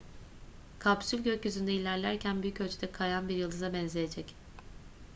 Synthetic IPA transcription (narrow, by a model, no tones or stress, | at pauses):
kʰabsylʲɟøcjyzynd̪ɛilʲæɾlʲæɾcʰænbyjycø̞lʲt͡ʃʰyd̪ɛkʰajanbiɾjɯlˠd̪ɯzabɛnzejed͡ʒɛc